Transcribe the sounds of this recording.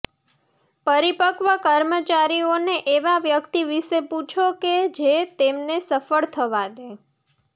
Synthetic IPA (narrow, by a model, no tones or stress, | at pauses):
pəɾipəkʋakəɾmət͡ʃaɾioneʔeʋaʋjəkt̪iʋiʃeput͡ʃʰoked͡ʒet̪emnesəfəɭt̪ʰəʋad̪e